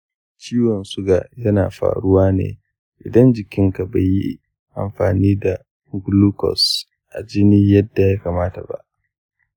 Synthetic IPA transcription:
t͡ʃiː˦wɔ˨nsʊ˦ɡa˨jɐ˦na̰ː˨ɸa̰ː˨ɽʊ˦waː˦nḛː˨ | ʔɪ˨dɐ˦nd͡ʒɪ˨kʲɪ˦ŋka˨ba˨ji˦ | ʔa̰˨mɸaː˨niː˦da˨ | ɡluː˦kɔ̰˨s | ʔa̰˨d͡ʒɪ˦niː˦jɐ˦dːa˨jaː˦kaː˨maː˦ta̰˨ba̰˦ʔ

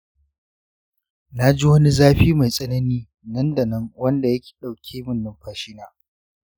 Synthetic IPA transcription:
na˦d͡ʒɪ˦hʊ˦ni˦zaː˦ɸiː˦ma˨jsʼɐ˦nɐ˦niː˦ | nɐ˦ndɐ˨nɐ˦ŋwɐ˦nda˨jɐ˦kʲi̥ː˨ɗa˨wkʲʰeː˦mʊ˦nːʊ˨mɸaː˦ʃɪ˦naː˦

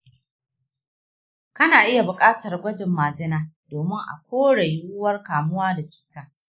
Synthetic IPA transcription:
kɐ˦naː˨ʔɪ˦ja˨bʊ˨kʼaː˦tɐ˨rɡʷɐ˦d͡ʒɪ˨mːaː˨d͡ʒɪ˦naː˦ | doː˨mɪ˦ŋʔa̰˨kʷoː˦ɽɐ˨jʊ˦wʊ˦wɐ˦rkaː˨mʊ˦waː˦da˨t͡ʃu̥ː˨˦taː˦

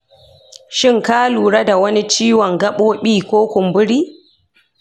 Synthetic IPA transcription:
ʃɪ˦˨ŋkaː˦luː˨ɽa˦da˨wɐ˦ni˦t͡ʃiː˦wɔ˨ŋɡɐ˦ɓoː˦ɓiː˦˨kʷoː˦kʷʊ˨mbʊ˦ɽiː˦

